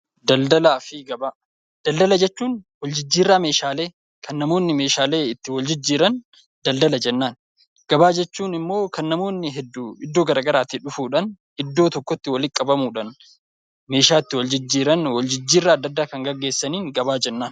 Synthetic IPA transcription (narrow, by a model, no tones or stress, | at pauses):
d̪ɐld̪ɐlaːfɪɡɐbaː | d̪̥ɐld̪ɐlɐd͡ʒɛt͡ʃːuːnwɔld͡ʒɪd͡ʒːiːrːaːme̞ːʃaːle̞ː | kʰɐnːɐmo̞ːnːɪme̞ːʃaːle̞ːɪt̪ːɪwɐld͡ʒɪd͡ʒːiːɾɐn | d̪ɐld̪ɐlɐd͡ʒɛnːaːn | ɡ̥ɐbaːd͡ʒɛt͡ʃːuːnɪmːo̞ːkɐnːɐmo̞ːnːɪɦɛd̪ːuːɪd̪ːo̞ːɡɐɾaːɡɐɾaːt̪ːɪᶑʊfuːᶑɐn | ʔɪd̪ːo̞ːt̪ɔkːɔt̪ːɪwɐlɪkʼːɐbɐmuːᶑɐn | me̞ːʃaːɪt̪ːɪwɔld͡ʒɪd͡ʒːiːɾɐnwɔld͡ʒɪd͡ʒːiːrːaːɐd̪ːɐd̪ːaːkɐŋɡɐɡe̞ːsːɐniːŋɡɐbaːd͡ʒɛnːaːn